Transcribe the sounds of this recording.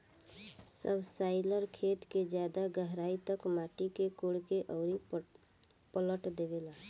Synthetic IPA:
səbʱsaɪləɾkʰet̪ked͡ʒjad̪aɡəɦɾait̪əkmaʈikekoɽkeʔəʊɾi | pələʈd̪ebela

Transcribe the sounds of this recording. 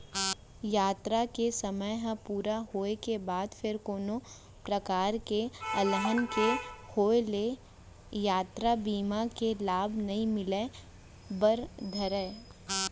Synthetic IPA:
jaːt̪ɾakesəməjɦə̃puːɾaɦoːekebaːd̪fʰɪɾkoːno | pɾɐkaːɾkeɐləɦənkehoːele | jaːt̪ɾabiːmakelaːbʱnɐɦĩmɪle | bəɾd̪ʱəɾeː

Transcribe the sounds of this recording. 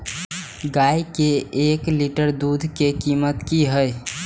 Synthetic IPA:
ɡajkeekliʈəɾd̪ud̪ʱkekimət̪kiɦəj

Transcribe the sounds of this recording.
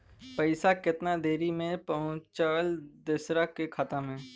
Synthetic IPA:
pɐɪsakɪt̪nad̪eːɾimẽpɐɦʊ̃t͡ʃaːld̪ɪsɾakekʰaːt̪amẽː

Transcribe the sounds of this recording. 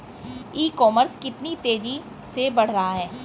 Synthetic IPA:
iːkɔːməɾskɪt̪nit̪eːd͡ʒi | sebɐɽ̤ɾaɦaɦɛː

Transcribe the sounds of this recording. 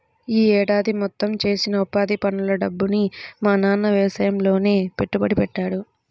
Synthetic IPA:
iːɛːɽaːd̪imɔt̪ːɐmt͡ʃe̞ːsinɐupaːd̪ipɐnulɐɖɐbːunimaːnaːnːɐʋɛːsɐjɐmlo̞ːne̞ːpe̞ʈːubɐɽipɛʈːaːɽu

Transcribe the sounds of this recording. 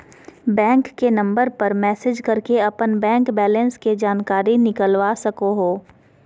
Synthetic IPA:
bɛ̃ːŋkːenɐ̃mbəɾpɐɾmɛːsɪd͡ʒkɐɾkeɐpənbɛ̃ːŋkbɛːlə̃nsked͡ʒaːnkaːɾinɪkəlʋasɐkoɦoː

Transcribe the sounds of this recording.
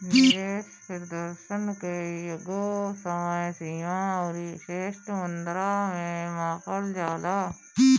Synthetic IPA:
nɪdeːʃpʰɪɾd̪əɾʃənkejoɡosəməjsiːãːɾiʃeːʃʈmənd̪ɾaːmẽmaːkəld͡ʒaːlaː

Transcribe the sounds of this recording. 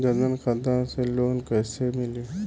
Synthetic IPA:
d͡ʒɐɾmənxɐd̪ãseloːnkɛːsemɪle

